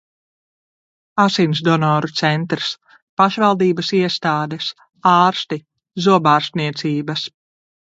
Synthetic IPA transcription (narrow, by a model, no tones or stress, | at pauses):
asinsd̪ɔnɔːɾut̪sɛnt̪ɾs | paʃvalˠd̪iːbɐsiɛst̪aːd̪ɛs | aːɾst̪i | zuɔbaːɾst̪niɛt̪siːbɐs